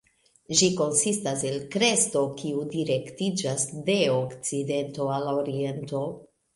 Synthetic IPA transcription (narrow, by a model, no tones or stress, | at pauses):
ʒiko̞nsistaselkɾe̞sto̞kiudiɾe̞ktid͡ʒasde̞okt͡side̞nto̞aloɾie̞nto̞